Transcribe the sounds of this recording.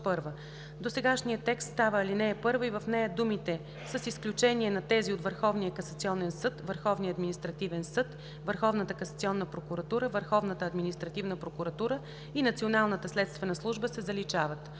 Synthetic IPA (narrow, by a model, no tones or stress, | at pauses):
pɤɾvə | d̪osɛɡaʃnijət̪ːɛkst̪st̪avəːlinɛːpɤɾvəivəfnɛjəd̪umit̪ɛ | səsisklʲut͡ʃɛniɛnɐt̪ɛziot̪vəɾxɔvnijəkɐsɐt̪siɔnɛnsɤt̪vəɾxɔvnijəɐd̪minʲist̪ɾɐt̪ivɛnsɤt̪ | vəɾxɔvnət̪əkɐsɐt̪siɔnːəpɾokuɾɐt̪uɾəvəɾxɔvnət̪əːd̪minist̪ɾɐt̪ivnəpɾokuɾɐt̪uɾə | inɐt̪sionalˠnət̪əslɛt̪st̪vɛnəslˠuʒbəsɛzɐlit͡ʃavət̪